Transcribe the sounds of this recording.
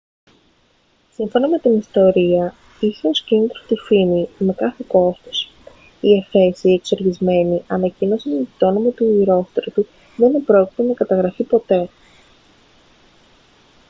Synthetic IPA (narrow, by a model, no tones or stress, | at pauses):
siɱfo̞nɐme̞t̪inist̪o̞ɾiɐ | içe̞o̞scinit̪ɾost̪ifimime̞kɐθeko̞st̪o̥s | iefe̞sie̞kseɾʝizme̞niʔɐnɐcino̞sindit̪o̞nomɐt̪uiɾo̞st̪ɾot̪u | ðeinepɾo̞ci̥t̪enɐkɐt̪ɐɣɾɐfipo̞t̪e̞